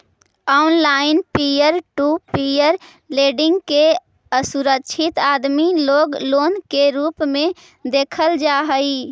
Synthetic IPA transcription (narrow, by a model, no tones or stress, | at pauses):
ɔːnlaːɪnpijəɾʈuːpijəɾ | leːɖɪ̃ŋɡke | əsuɾəkʃʰɪt̪aːd̪miloːɡloːnkeɾuːpmẽ | d̪eːkʰəld͡ʒaːɦəi